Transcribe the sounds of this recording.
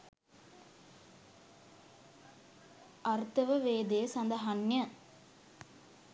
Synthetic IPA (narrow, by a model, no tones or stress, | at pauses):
ʔɐɾt̪ɐʋəʋeːd̪eːsɐnd̪ɐɦɐnjɐ